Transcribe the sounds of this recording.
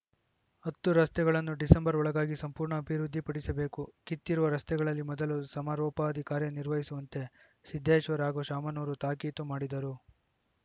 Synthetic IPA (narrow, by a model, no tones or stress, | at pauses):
ɐt̪ːuɾɐst̪ɛɡɐɭɐnːuɖisembɐɾɔɭɐɡaːɡisɐmpuːɾɳɐːbʱiɾud̪ʱːipɐɽisɐbe̞ːkukit̪ːiɾuʋɐɾɐst̪ɛɡɐɭɐlːimɔd̪ɐlusɐmaːɾɔːpɐɐd̪ʱikaːɾjɐniɾʋɐɦisuʋɐnt̪e̞ | sid̪ʱːeːʃʋɐɾaːɡoʃaːmɐnoːɾut̪aːkiːt̪umaːɽid̪ɐɾu